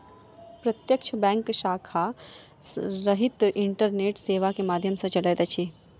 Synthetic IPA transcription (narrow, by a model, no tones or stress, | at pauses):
pɾɐt̪jəkt͡ʃʰəbɛ̃ːŋkʃaːkʰa | ɾɐɦɪt̪ɪ̃ɳʈəɾneːʈseːʋakemaːd̪ʱjəmsẽt͡ʃɐleːd̪ɐt͡ʃʰiː